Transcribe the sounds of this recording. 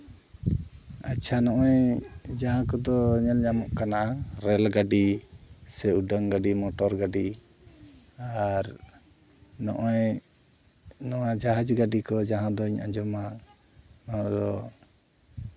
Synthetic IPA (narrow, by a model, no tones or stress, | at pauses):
at͡ʃʰanɔʔɔjd͡ʒaɦãkɔd̪ɔɲɛlɲamɔʔkanaʔaɾɛlɡaɖisɛuɖəŋɡaɖimɔʈɔɾɡaɖi | aɾ | nɔ̰ʔɔj | nɔwad͡ʒaɦad͡ʒɡaɖikɔd͡ʒaɦãd̪ɔiɲã̰d͡ʒɔma | nɔɦãd̪ɔ